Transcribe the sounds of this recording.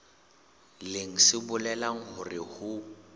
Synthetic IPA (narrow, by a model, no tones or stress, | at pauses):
leŋ̩sɪbʊlɛlaŋ̩hʊrɪhʊ